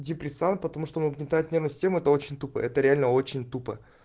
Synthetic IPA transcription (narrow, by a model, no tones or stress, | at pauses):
dʲɪpɾʲɪsant̪̚pət̪ɐmuʂt̪omuɡnʲɪnt̪aɪt̪nʲernʊjsʲɪ̥sʲtʲemʊɛt̪əo̞t͡ɕɪnʲt̪upə̰ɛt̪əɾʲɪalʲnəo̞t͡ɕɪnʲt̪upə̰